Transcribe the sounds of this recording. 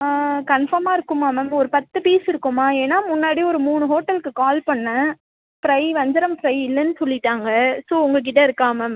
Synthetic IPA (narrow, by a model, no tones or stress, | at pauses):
kɐnfɐɾmaːɪɾɯkːɯmaːmɛmɔɾɯpɐt̪ːɯpiːsɪɾɯkːɯmaːeːnːaːmʊnːaːɽiɔɾɯmuːɳɯɦoːʈːɐlkːɯkaːlpɐnːɐ | pɪɾɐɪʋɐɲd͡ʒɐɾɐmpɪɾɐɪɪlːɐnːɯsɔlːɪʈːaːŋɡɐsoːʊŋɡɐk̬ɪʈ̬ːɐɪɾɯkːaːmɛm